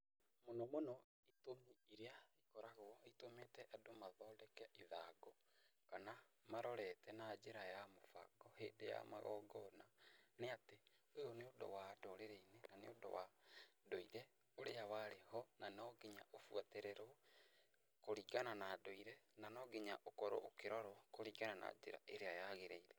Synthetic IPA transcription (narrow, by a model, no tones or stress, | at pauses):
monɔmonɔ | itomiiɾeaikɔɾaɣoɔitometɛʔadomaðɔːdɛkɛʔiðaɡɔ | kanamaɾɔɾɛtɛnad͡ʒeɾajamofa̰ɡɔheːndeja̰ma̰ɣɔ̰ɡɔnaneate | ojoneodo̰wadɔɾeɾeinenanḛodo̰wa̰doiɾɛ | oɾeawaɾehɔnanɔɡeɲa̰ʔofuateɾɛɾo | koɾiɡananadoiɾɛnanɔːɡeɲaʔokɔɾo̰ʔokeɾɔɾɔkoɾiːɡanana̰d͡ʒeɾa̰ʔeɾeajaɣeɾeiɾɛ